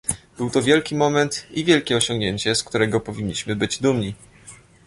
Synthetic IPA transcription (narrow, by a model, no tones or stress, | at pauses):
b̥ɘwt̪ɔvʲjɛlkʲimɔmɛnt̪ivʲjɛlkʲɛɔɕɔ̃ŋɡɲeɲt͡ɕɛskt̪uɾɛɡɔpɔvʲiɲːiɕmɘbɘd͡ʑd̪umɲi